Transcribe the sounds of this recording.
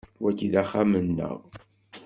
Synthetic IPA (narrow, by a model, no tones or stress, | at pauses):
wækːiðæχamənːə̰ʁ